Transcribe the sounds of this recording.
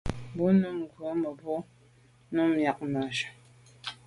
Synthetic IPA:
bu˨˦nu˦˨m˨ɡwə˨˦mə˨bɔ˦ | nu˦mja˨k̚ma˨ʃə̥˨

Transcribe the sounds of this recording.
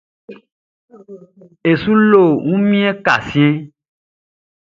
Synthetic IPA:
e˨sũ˦lo˦˨ŋũ˦mĩ˦e˦ka̰˨sĩ˦ẽ˦

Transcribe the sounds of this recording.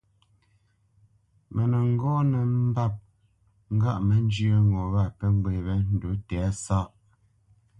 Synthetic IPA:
mɛ˨nɛ˨ŋ̩˦ɡɔ˦nɛ˨m̩˦ba˦˨p̚ | ŋ̩˦ɡa˦˨ʔmɛ˨˦n˦d͡ʒjə˦ŋɔ˨ɣa˦˨pɛ˦ŋ˦ɡwe˨βɛ˦n̩˨du˨˦tɛ˨a˦sa˦ʔ

